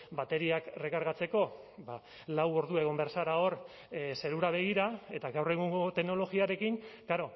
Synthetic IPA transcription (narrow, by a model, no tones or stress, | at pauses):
bat̪e̞ɾiakre̞kaɾɣat͡se̞ko̞ | ba | lawo̞ɾðue̞ɣo̞mbeɾsaɾao̞ɾ | se̞ɾuɾaβ̞e̞ɣ̞iɾae̞t̪aɣawre̞ɣuŋɡo̞t̪e̞ɡno̞lo̞ɣiaɾe̞kiŋkaɾo̞